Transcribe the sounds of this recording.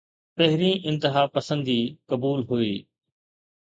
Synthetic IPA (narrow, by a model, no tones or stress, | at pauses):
pɐɦɪɾĩːʔɪ̃nt̪ɪɦaːpɐsə̃nd̪iːkɐbuːlɦuiː